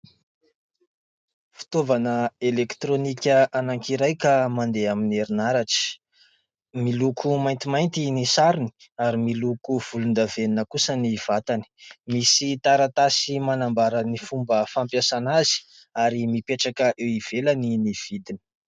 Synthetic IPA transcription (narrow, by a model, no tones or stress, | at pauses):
fi̥t̪ovanəelekt̪ɾonikʲəʔanaŋkiɾajkamand̪eamineɾinaɾaʈ͡ʂi̥ | milukʰumajnt̪imajnt̪inisaɾini̥ | aɾimilukuv̥ulund̪aveninəkusəniv̥at̪ani̥misit̪aɾat̪asimanambaɾanifumbəfampjasanazi̥ | aɾimipeʈ͡ʂakəʔewiv̥elaniniv̥id̪ini̥